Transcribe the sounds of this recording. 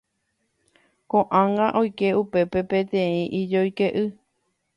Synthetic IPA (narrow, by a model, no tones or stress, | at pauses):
kõʔãŋɡãʔo̞jke̞upe̞pe̞pẽ̞t̪ẽ̞ĩʔid͡ʒojke̞ʔɨ